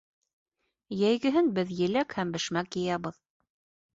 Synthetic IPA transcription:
jæjɡɘ̆ɦɘnbɘðjɘ̆lækhæmbɘ̆ʃmækjɤ̆jɑβɤð

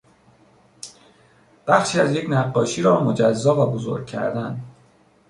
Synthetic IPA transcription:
b̥æxʃiːæzje̞cʰnæɢːɒːʃiːɾɒːmo̞d͡ʒæzːɒːvæbozo̞̰ɾɡ̚cʰæ̰ɾd̪æn

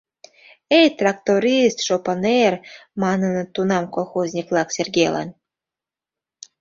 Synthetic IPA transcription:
ejt̪rɑkt̪oɾʲist̪ʃopɤnermɑnə̆nɤ̆t̪unɑmkolˠxozʲnʲiklˠɑksʲerɡʲelɑ̰n

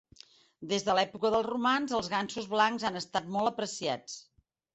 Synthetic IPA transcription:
d̪ezðəlɛpukəðəlˠzrumanzəlˠzɣansuzβlaŋkzanəst̪at̪̚mɔlˠəpɾəsia̰t͡s

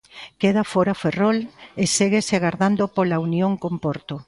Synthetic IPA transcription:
keð̞afoɾaferoleseɣeseaɣaɾðand̪opolaunjoŋkompoɾt̪o

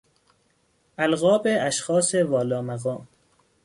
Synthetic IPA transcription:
ʔælɣɒːbeæʃxɒːsevɒːlɒːmæɣɒːm

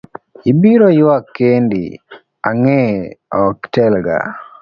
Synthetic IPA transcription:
ibiɾojwakːendḭ | aŋɛɔktɛlɡa̰

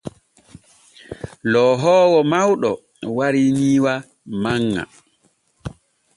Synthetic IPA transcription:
lɔɦɔːwɔmawɗɔ | waɾiniːwa | maŋːa̰

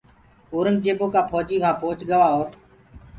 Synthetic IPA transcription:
oːɾənɡ̚d͡ʒeːboːkaːpʰoːd͡ʒiːʋãːpoːt͡ʃɠəʋaːoːɾ

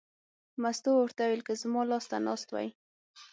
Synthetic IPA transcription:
mast̪oʊɾt̪awelkəzmɑlɑst̪anɑst̪wa̰j

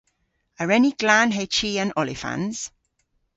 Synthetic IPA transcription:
əɹɛniɡ̥lanɦet͡ʃiə̃nɔlɪ̰fã̰nz̥

